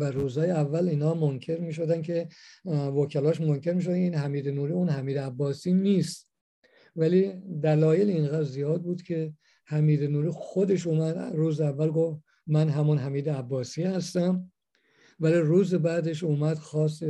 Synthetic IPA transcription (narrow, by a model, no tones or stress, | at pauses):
væɾuːzhɒːjeævːæliːnhɒːmoncʰe̞ɾmiːʃod̪ænkʰe̞ | vokʰælɒːʃ̬monkʰe̞ɾmiːʃ̬od̪iːnɦæmiːd̪enuːɾiːunhæmiːd̪eæbːɒːsiːniːst̪ | vælid̪ælɒːjelinɣæːd̪ɾzijɒːd̪̚buːd̪̥cʰe̞ | hæmiːd̪enuːɾiːxod̪e̞ʃ̬uːmæd̪ruːzeævːælɡof | mænɦæmunɦæmiːd̪eæbːɒːsiːhæst̪æm | væliːruːzebæd̪e̞ʃuːmæd̪̥xɒːs̬t̪e